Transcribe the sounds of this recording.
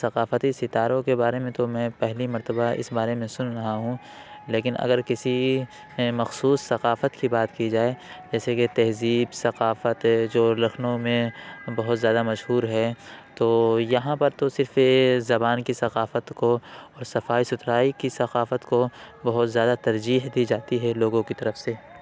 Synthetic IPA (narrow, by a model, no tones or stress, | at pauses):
sɐqaːfət̪isɪt̪aːɾõkebaːɾemẽt̪omɛ̃ːpɛɦlimɐɾt̪əbaɪ̰sbaːɾemẽsʊnɾɐɦaɦũ | leːkɪnɐ̰ɡəɾkɪsi | ẽmɐxsuːsːɐqaːfət̪kibaːt̪kid͡ʒaːed͡ʒɛːseket̪ɛɦziːbsɐqaːfət̪d͡ʒoːlɐxnõmẽbɐɦʊt̪zjaːd̪amɐʃɦuːɾɦɛt̪oːjɐɦãpɐɾt̪osɪɾfezɐbaːnkisɐqaːfət̪koɔːɾsɐfaːisʊt̪ɾaːikisɐqaːfət̪ko | bɐɦʊt̪zjaːd̪at̪ɐɾd͡ʒiːɦd̪id͡ʒaːt̪iɦɛloːɡõkit̪ɐɾəfse